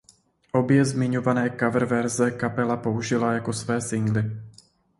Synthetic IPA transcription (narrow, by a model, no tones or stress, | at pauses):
ʔo̞bjɛzmɪɲo̞vanɛːkavr̩vɛɾzɛkapɛlapo̞uʒɪlajako̞svɛːsɪŋɡlɪ